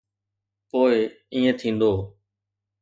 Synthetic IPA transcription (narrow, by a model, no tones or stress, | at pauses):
poːɪ | ĩːẽːt̪ʰĩːnd̪oː